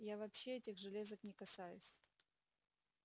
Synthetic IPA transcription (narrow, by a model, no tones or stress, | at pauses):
javɐpɕːeɛtʲɪɣʐɨlʲe̞zəknʲɪkɐsajʊ̰sʲ